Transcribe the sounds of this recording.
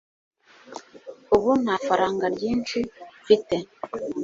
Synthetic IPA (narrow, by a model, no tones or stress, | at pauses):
uβunafaɾaːŋɡaɾɟiːnʃifite